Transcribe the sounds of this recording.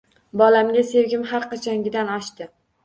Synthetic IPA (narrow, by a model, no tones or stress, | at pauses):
bɒlamɡʲase̞wɡʲɪmɦaɾqɑt͡ʃʰɒŋɡʲɪd̪anɒʃt̪ɪ